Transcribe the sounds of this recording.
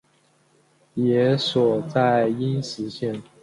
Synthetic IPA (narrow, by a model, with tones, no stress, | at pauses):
jɛ˧˥swɔ˨˩t͡sa˥˩ɪi˥nʂɻ̩˧˥ɕjɛ˥˩n